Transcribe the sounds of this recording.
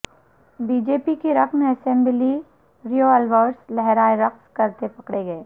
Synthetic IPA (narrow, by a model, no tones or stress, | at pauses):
biːd͡ʒeːpikiɾɐkmɐsɛ̃mbli | ɾijoɛlʋɔːɾslɛɦɾaːeɾɐqskɐɾt̪epɐkɽeɡɐeː